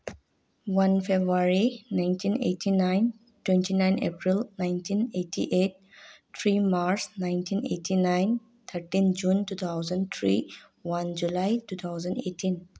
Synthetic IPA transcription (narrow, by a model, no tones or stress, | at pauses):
wɐ̃nfebɾaɾinãɪ̃nʈʰĩnḛʈʰinãɪ̃n | ʈwẽnʈʰinãɪ̃nḛpɾilnãɪ̃ntʰĩneʈʰḭʔeʈ̚ | t̪ʰɾiːmaɾsnãɪ̃nʈʰĩnḛːʈʰinãɪ̃n | t̪ʰəɾʈĩnd͡ʒũnʈuːt̪ʰaʊzə̃ɳt̪ʰɾi | wɐ̃nd͡ʒulaɪtuːt̪ʰaʊzə̃ɳɖḛːʈʰĩn